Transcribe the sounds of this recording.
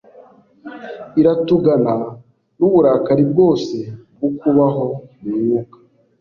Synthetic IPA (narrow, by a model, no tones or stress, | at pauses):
iɾatuɡana | nuβuɾakaɾib̚ɡo̞ːse̞bɡukuβaɦo̞miɲukḁ